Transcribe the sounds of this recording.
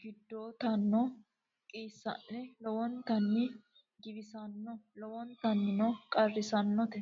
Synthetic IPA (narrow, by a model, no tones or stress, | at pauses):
ɡ̥ɪd̪ːoːt̪ɐnːɔ | kʼiːsːɐ̰ʔːɛlɔwɔnt̪ɐnːɪ | ɡɪbɪsɐnːɔlɔwɔnt̪ɐnːɪnɔkʼɐrːɪsɐnːɔt̪ɛ